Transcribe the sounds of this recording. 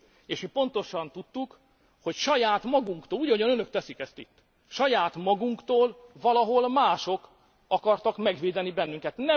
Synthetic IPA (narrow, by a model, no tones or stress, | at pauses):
eːʃmipo̞nt̪o̞ʃɒnt̪ut̪ːuk | ho̞cʃɒjaːt̪mɒɡuŋkt̪oːluːɟɒojɒnønøk̚t̪ɛsikɛst̪it̪ː | ʃɒjaːt̪mɒɡuŋkt̪oːlvɒlɒɦo̞lmaːʃo̞k | ɒkɒrt̪ɒkmɛɡʋeːd̪ɛnibɛnːyŋkɛt̪nɛ